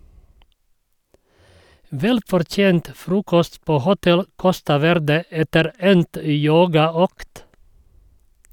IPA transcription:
ˈʋɛlfɔɾˌtjeːnt ˈfɾuːkɔst ˈpoː ˈhʊtɛl ˈkɔstɑ ˈʋɛɾdə ˈɛtəɾ ˈɛnt ə ˈjoːɡɑˌøːkt

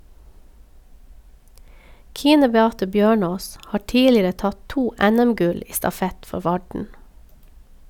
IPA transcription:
ˈkiːnə bɛˈɑːtə ˈbjøːˌɳoːs ˈhɑː ˈtiːlɪɾə ˈtɑt ˈtuː ˈɛˌnɛmˌɡʉl ˈiː stɑˈfɛt ˈfɔ ˈʋɑɖɳ

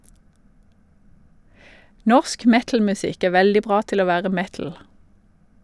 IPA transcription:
ˈnɔʃk ˈmɛtl̩mʉˌsɪk ˈeː ˈʋɛldɪ ˈbʁɑː ˈtɪl ˈoː ˈʋæːʁə ˈmɛtl̩

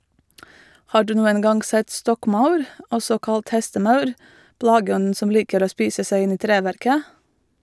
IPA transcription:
ˈhɑː ˈɖʉː ˈnuːən ˈɡɑnɡ ˈsɛt ˈstɔkˌmaʊɾ ˈɔsɔ ˈkɑlt ˈhɛstəˌmɑʉɾ ˈplɑːɡəˌɔnn̩ ˈsɔm ˈliːkəɾ ˈoː ˈspiːsə ˈsæɪ ˈɪn ˈiː ˈtɾeːʋæɾkə

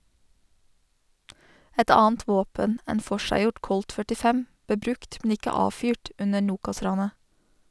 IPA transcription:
ˈɛt ˈɑːənt ˈʋoːpən ˈeːn ˈfɔʃæɪˌjɔʈ ˈkɔlt fœʈɪˈfɛm ˈbeː ˈbɾʉkt mn̩ ˈɪkə ˈɑːfyːʈ ˈʉnə ˈɳuːkɑˌsɾɑːnə

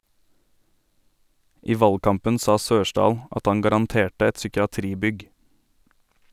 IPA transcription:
ˈiː ˈʋɑlɡˌkɑmpən ˈsɑː ˈsøːʃɖɑːl ˈʔɑt ˈɑŋ ɡɑɾɑnˈteːʈə ˈɛt sʏkɪɑˈtɾiːˌbʏɡ

